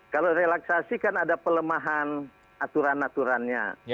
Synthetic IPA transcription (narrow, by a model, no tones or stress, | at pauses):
kaloɾelaksasikanadapələmaɦan | at̪uɾanat̪uɾanɲa̰